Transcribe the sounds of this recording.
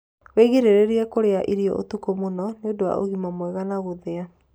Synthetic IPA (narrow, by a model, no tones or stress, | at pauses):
weɣeɾeɾeɾiɛkoɾeaʔiɾiɔ̰ʔo̰tukomonɔneodowa̰ʔoɣimamwɛɣanaɣoðea